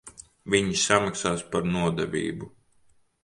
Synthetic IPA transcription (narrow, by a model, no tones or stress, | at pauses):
vʲiɲisamaksaːspaɾnuɔd̪ɛvʲḭːbu